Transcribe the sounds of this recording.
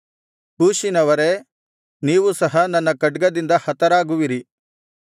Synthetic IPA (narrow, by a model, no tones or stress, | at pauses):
puːʃinɐʋɐɾe̞ | niːʋusɐɦɐnɐnːɐkɐɖɡɐd̪ind̪ɐhɐt̪ɐɾaːɡuʋiɾi